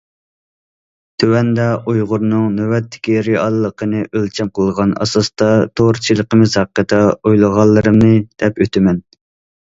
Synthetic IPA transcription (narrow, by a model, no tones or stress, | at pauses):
t̪ʰøwɛnd̪ɛʔujʁʊɾnɨŋnøwɛt̪ʰːɪ̥kʲiɾiɑlˠlˠːəqʰənɨʔølt͡ʃʰɛmqʰəlˠʁɑnɑ̰sɑst̪ɑt̪ʰoɾt͡ʃʰilˠəqəmɨz̥hɑqːət̪ʰɛojlˠəʁɑlˠːɨɾɨmnɨd̪̥ɛpøt̪ʰɪmɛn